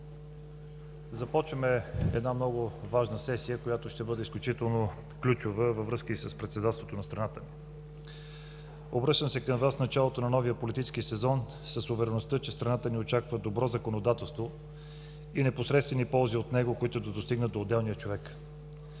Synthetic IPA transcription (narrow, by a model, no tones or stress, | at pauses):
zɐpɔt͡ʃvəmɛɛ̰d̪namnɔɡʊvaʒnəsɛsijəkojat̪oʃt̪ɛbɤd̪ɛisklʲut͡ʃit̪ɛlˠno | klʲut͡ʃʊvəvɐvɾɤskəisəspɾɛt̪sɛd̪at̪st̪vot̪onɐst̪ɾɐnat̪əmi | obɾɤʃt̪əmsɛkəmvasnɐt͡ʃalˠot̪onɐnɔvijəpolit̪it͡ʃskisɛzɔn | səsːovɛɾɛnoʊst̪ət͡ʃɛst̪ɾɐnat̪əniot͡ʃakvəd̪obɾɔzɐkonod̪at̪ɛlˠst̪vo | inɛposɾɛt̪st̪vɛnipɔlˠziot̪nɛɡokoit̪ʊd̪ɐd̪ost̪iɡnət̪d̪oːd̪ːɛlˠnijət͡ʃovɛk